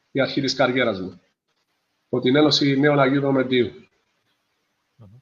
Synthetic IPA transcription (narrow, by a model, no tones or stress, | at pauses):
iɐɾçit̪iskɐɾʝe̞ɾɐzmu | pot̪ine̞no̞sineolɐʝiðomed̪iu